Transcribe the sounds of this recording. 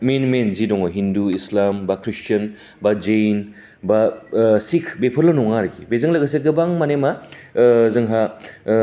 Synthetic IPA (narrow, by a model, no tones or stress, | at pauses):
menmenzidɔŋɔɦinduislambakʰɾist͡ʃɐn | bad͡ʒen | basikʰbepʰɐɾlɐnɔŋaɾɡibezɐŋlɐɡɐseɡɯbaŋmanema | zɐŋɦa